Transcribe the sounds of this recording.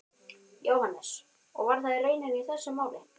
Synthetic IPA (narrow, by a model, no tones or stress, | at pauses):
joːwhanːɛs | ɔ̰ɣvaɾθaðɪreːjnaviiθɛsːʏmaːwlɪ